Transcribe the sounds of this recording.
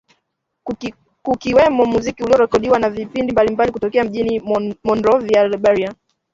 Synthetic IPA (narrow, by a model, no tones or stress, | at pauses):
kukiwɛmɔmuzikiuliɔɾɛkɔɗiwanavipindimbalimbalikutɔkɛam̩ʄinimɔndɾɔvialɓaɾia